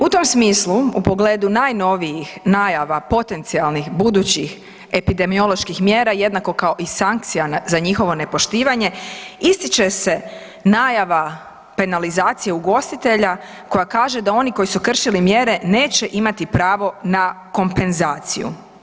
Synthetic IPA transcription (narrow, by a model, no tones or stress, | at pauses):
ut̪o̞msmiːsluupo̞ɡleːd̪unaːjno̞ʋijixnaːjaʋapo̞t̪e̞nt̪sialnixbud̪uːt͡ɕix | e̞pid̪e̞mio̞lo̞ʃkixmjeːɾaje̞d̪nako̞kaoʔisaŋk̚t̪sijanzaɲixo̞ʋo̞ne̞po̞ʃt̪iːʋaɲe̞ist̪it͡ʃe̞se̞ | naːjaʋa | pe̞nalizaːt̪sijeuɡo̞st̪it̪e̞ʎa | ko̞jakaːʒe̞d̪ao̞niko̞jisukr̩ʃilimje̞ːɾe̞ne̞ːt͡ɕe̞ʔimat̪ipɾaːʋo̞na | ko̞mpe̞nzaːt̪sḭjṵ